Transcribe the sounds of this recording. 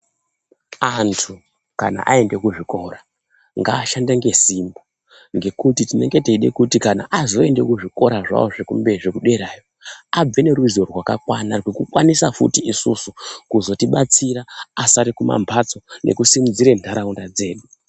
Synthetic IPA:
antʰu | kana̰ʔae̞nde̞kuʐiko̞ra | ŋɡaːʃandaŋɡe̞simbo | ŋɡe̞kutitine̞ŋɡe̞teiɗe̞kutikana̰ʔazo̞e̞nde̞kuʐiko̞ɾaʐa̰woʐekumbeʐe̞kuɗe̞ɾaːjo̞ab͡ve̞neɾuizo̞rwakakwanarwekukwanisafṵtiisusukuzo̞tiɓat͡siɾaːsaɾikuma̰mpʰat͡so̞nʔe̞̰kusimud͡ziɾendʱaɾaundad͡ze̞ːɗu

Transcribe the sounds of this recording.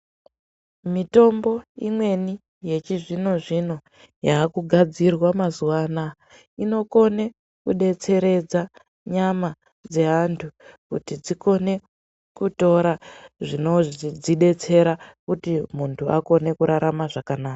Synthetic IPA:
mito̞mbo̞imwe̞ni | je̞t͡ʃiʐino̞ʐino̞ | jaːkuɡʱad͡zirwamazuwana | ino̞ko̞ne̞ | kuɗe̞t͡se̞ɾe̞d͡za | ɲama | d͡ze̞ɦantʰukutid͡ziko̞ne̞ | kuto̞ɾaʐino̞ʐd͡ziɗe̞t͡se̞ɾakutimuntʰua̰ko̞ne̞kuɾaɾʔamaʐakanaːka

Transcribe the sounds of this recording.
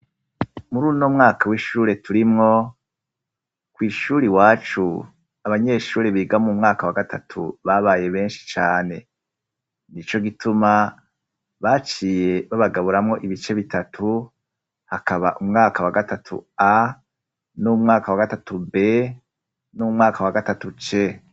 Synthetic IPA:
muɾuːnomŋaːkʰawiʃuːɾe̞tuɾimŋo̞ | kwiːʃuːɾiwaːt͡ʃu | aβaɲe̞ʃuːɾeβiɡamumŋaːkawaɡatʰatʰṵβaβaːje̞βe̞ːnʃi̥t͡ʃaːne̞ | nit͡ʃo̞ɡitʰuma | βat͡ʃiːje̞βaβaɡaβuɾamŋo̞ʔiβit͡ʃe̞βitatʰu | hakaβaʔumŋaːkawaɡatatʰṵa | numŋaːkawaɡatatube̞ | numŋaːkawaɡatatut͡ʃe̞

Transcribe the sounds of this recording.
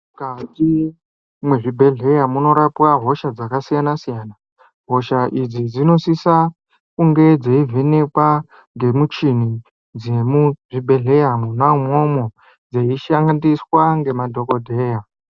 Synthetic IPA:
kati | mweʐibʱe̞ɮe̞jamuno̞ɾapwaɦo̞ʃad͡zakasijanasijaːna | ɦo̞ʃaʔid͡zid͡zino̞sisa | kuŋɡe̞d͡zeivʱenekwa | ŋɡe̞mut͡ʃini | d͡zemuʐibʱe̞ɮe̞jamunamomo̞ | d͡zeiʃaŋɡandiswaŋɡe̞madʱo̞ko̞dʱe̞ːja

